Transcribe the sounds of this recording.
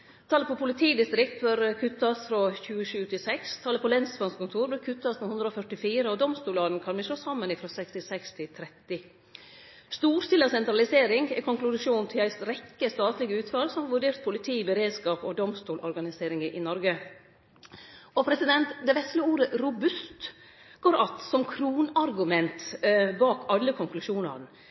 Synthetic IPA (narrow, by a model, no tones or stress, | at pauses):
t̪ʰɑːləpʰɔpʰʊlɪt̪ʰiːd̪ɪst̪ɾɪk̚t̪̚bœɾkʰʉt̪ːɑsfɾoçʉːəʃʉːt̪ʰɪsɛkst̪ʰɑːləpʰɔlɛnsʋɑnskʊnt̪ʰuːɾbəɾkʰʉt̪ːɑsnohʉnd̪ɾəɔːfœʈɪfiːɾəɔd̪ɔmst̪uːlɑːd̪n̩kʰɑnʋɪʃloːsɑmːənɪfɾɔsɛkst̪ɪsɛkst̪ʰɪt̪ʰɾɛt̪ːɪ | st̪uːɾst̪ɪləsɛnt̪ɾɑlɪseːɾɪŋɛkʰɔŋklʉʂuːnt̪ʰɪlæɪsɾɛkːəst̪ɑːt̪lɪɡəʉːt̪fɑlsɔmhɑʋʉɖeːɾt̪̚pʰʊlɪt̪ʰiːbəɾeːd̪skɑːpɔd̪ɔmst̪uːlʔɔ̰ɾɡɑnɪseːɾɪŋəʔɪnɔɾɡə | ɔpʰɾɛsɪd̪ɛnt̪d̪ɛʋɛslɪəuːɾəɾʊbʉst̪ | ɡ̥oːɾʔɑt̪sɔmkʰɾuːnɑɾɡʉmɛnt̪bɑːkɑlːəkʰɔŋklʉʂuːnɑ̰ɾn